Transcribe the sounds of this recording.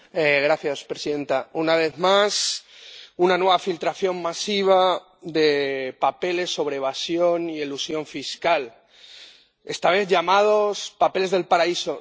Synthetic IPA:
eɣɾaθjaspɾesiðe̞nt̪aunaβ̞e̞ðmas | unanwe̞βafilt̪ɾaθjo̞mmasiβ̞a | ðe̞pape̞le̞sːo̞β̞ɾeeβ̞asjo̞nielusjo̞ɱfiskal | e̞st̪aβ̞e̞θʝamað̞o̞spape̞le̞zðe̞lpaɾaiso̞

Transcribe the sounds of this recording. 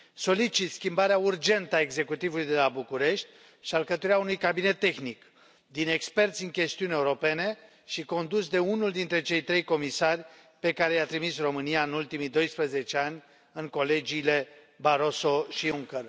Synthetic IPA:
so̞lit͡ʃit̪skʲimbaɾeaurd͡ʒe̞nt̪əae̞ɡze̞kut̪ivulujd̪e̞labukuɾe̞ʃt̪ʲ | ʃialkət̪uɾiaunujkabine̞t̪ːe̞xnik | d̪ine̞kspe̞rt̪sʲɨŋkʲe̞st̪iune̞uɾo̞pe̞ne̞ | ʃiko̞nd̪usd̪e̞unuld̪int̪ɾe̞t͡ʃe̞jt̪ɾe̞jko̞misarʲ | pe̞kaɾe̞jat̪ɾimisro̞mɨniaɨnult̪imijd̪o̞jspɾəze̞t͡ʃe̞anʲ | ɨŋko̞le̞d͡ʒiːle̞ | baɾo̞so̞ʃiuŋkər

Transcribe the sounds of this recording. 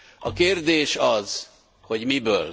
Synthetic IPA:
ɒkeːrd̪eːʃɒz̥ | ho̞ɟmibøːl

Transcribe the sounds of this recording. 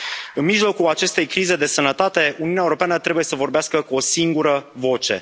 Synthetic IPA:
ɨnmiʒlo̞kuat͡ʃe̞st̪e̞jkɾize̞d̪e̞sənət̪at̪e̞uniunaewuɾo̞peanət̪ɾe̞buje̞səvo̞rbeaskəkuo̞siŋɡuɾəvo̞t͡ʃe̞̰

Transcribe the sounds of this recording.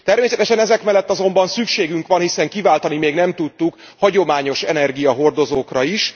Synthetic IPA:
t̪ɛrmeːsɛt̪ɛʃɛnɛzɛkmɛlːɛt̪ːɒzo̞mbɒnsykʃeːɡyŋkʋɒnhisɛŋkivaːlt̪ɒnimeːɡnɛmt̪ut̪ːuk | hɒɟo̞maːɲo̞ʃɛnɛrɡijɒɦo̞rd̪o̞zoːkrɒiʃ

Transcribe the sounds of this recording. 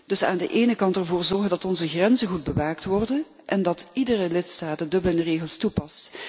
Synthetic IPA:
d̥ɵsa̰ːndə̰ʔeːnəkɑntɛrvoːrzɔrɣəndɑtɔnzəɣrɛnzəɣud̚bəʋaːktʋɔrdən | ʔɛndɑtidərəlɪtstaːtədɵbələnəreːɣəlˠstupɑst

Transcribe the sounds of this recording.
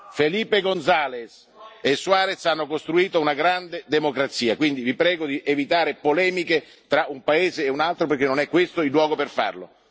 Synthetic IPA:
feliːpeɡond̪zaːles | esuaːɾet̪sanːokost̪ɾuiːt̪ounaɡɾand̪ed̪emokɾat̪sːiːakwind̪ivipɾɛːɡod̪iʔevit̪aːɾepolɛːmike | t̪ɾaumpaeːzeːunalt̪ɾoperk̟enːonɛkːwest̪oilːwɔːɡoperfa̰rlo̰

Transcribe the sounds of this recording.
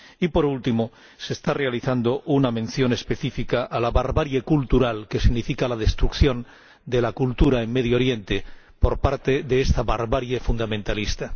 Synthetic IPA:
ipo̞ɾult̪imo | se̞st̪arealiθand̪o̞ʔunamẽ̞nθjo̞ne̞spe̞θifikaʔːlaβaɾβaɾjekult̪uɾalke̞siɣnifikalaðe̞st̪ɾukθjõ̞n | d̪e̞lakult̪uɾaeŋme̞ðjoɾje̞nt̪e̞ | po̞ɾpaɾt̪e̞ðeest̪aβaɾβaɾjefund̪amẽ̞nt̪alist̪a

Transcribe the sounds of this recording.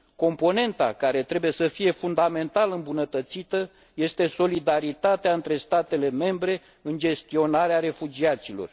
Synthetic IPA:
ko̞mpo̞ne̞nt̪a̰kaɾe̞t̪ɾe̞buje̞səfije̞fund̪ame̞nt̪alɨmbunət̪ət̪sit̪ə | je̞st̪e̞so̞lid̪aɾit̪at̪eaɨnt̪ɾe̞st̪at̪e̞le̞me̞mbɾe̞ | ɨnd͡ʒe̞st̪io̞naɾeaɾe̞fud͡ʒiat̪silo̞̰r

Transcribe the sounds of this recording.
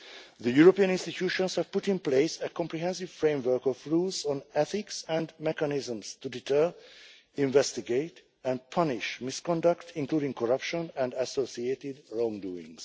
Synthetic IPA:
ðəjuɹopiːə̃nɪ̃nst̪itʰjuːʃɔ̃nshɛv̥pʊtɪ̃npleɪsəkɔ̃mpɹiɦɛ̃nsiv̥fɹẽmvə˞kɔvɹuːlzɔ̃nɛθɪksɛ̃ndmɛkanɪzə̃mstuditʰɜɹ | ĩɱvɛstiɡeɪt | ɛ̃nd̚pʰʌnɪʃmɪskɔ̃ndaktʰɪ̃ŋkluːdɪ̃ŋkʰɔɹʌpʃɔ̃nɛ̃ndæsosieːtɪdɹɔ̃ŋduːɪ̰̃ŋs

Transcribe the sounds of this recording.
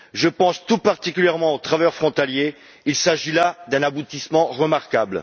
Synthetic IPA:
ʒəpɑ̃st̪upaʁt̪ikʲyljɛʁmɑ̃ot̪χavœʁfχɔ̃t̪alje | ilsaʒilad̪ɛ̃nabut̪ismɑ̃ʁəmaʁkabl

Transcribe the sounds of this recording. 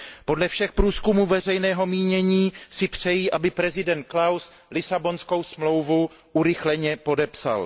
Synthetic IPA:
po̞dlɛfʃɛxpɾuːskumuːvɛr̝ɛjnɛːɦo̞miːɲɛɲiːsɪpr̝̥ɛjiːʔabɪpɾɛzɪdɛnt̪̚klaws | lɪsabo̞nsko̞wsmlo̞wvu | ʔuɾɪxlɛɲɛpo̞dɛpsa̰l

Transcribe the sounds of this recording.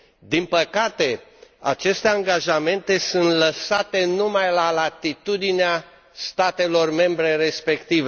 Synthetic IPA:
d̪inpəkat̪e̞a̰t͡ʃe̞st̪e̞aŋɡaʒame̞nt̪e̞sunt̪ləsat̪e̞numajlalat̪it̪ud̪inea | st̪at̪e̞lo̞rme̞mbɾe̞ɾe̞spe̞kt̪ive

